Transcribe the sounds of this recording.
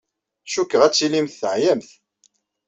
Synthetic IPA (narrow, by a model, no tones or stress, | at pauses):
ʃukːəʁæt͡sːilimθːəʕjæmθ